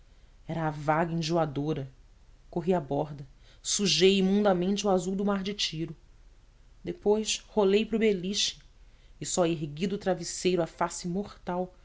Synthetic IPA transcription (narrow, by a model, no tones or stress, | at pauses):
ɛɾɐːvaɡɐĩʒuad̪oɾɐ | koɦiabɔɾd̪ɐ | suʒejimũnd̪ɐmẽnt͡ʃɪuazuwd̪ʊmaɾd͡ʒɪt͡ʃiɾʊ | d̪epojsholejpɾʊbeliʃɪ̥ | ɪsɔeɦɡid̪ʊt̪ɾavisejɾʊafasɪmoχt̪aw